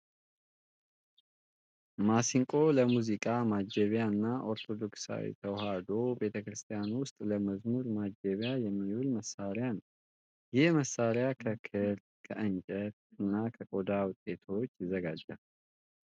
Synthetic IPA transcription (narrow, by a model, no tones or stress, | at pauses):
masiŋkʼo̞ləmuzikʼamad͡ʒəβjaɨnːaʔo̞ɾt̪ʰo̞d̪o̞ksa̰wḭt̪ʰəwɦad̪o̞be̞t̪ʰəkɾɨst̪ʰijanwʊst̪ʼləməzmuɾmad͡ʒəβjajɛmːiwulməsːaɾjanəw | jɪhməsːaɾjakʰəkʰɨɾ | kʰəʔɨnt͡ʃʼəɾ | ɨnːakʰəkʼo̞d̪awʊt̪ʼːe̞t̪ʰo̞t͡ʃːjɪzəɡad͡ʒːal